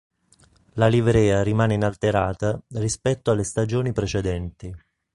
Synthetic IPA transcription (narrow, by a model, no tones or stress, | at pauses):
lalivɾɛːaɾimaːneinalt̪eɾaːt̪arispɛt̪ːoalːest̪ad͡ʒoːnipɾet͡ʃɛd̪ɛnt̪i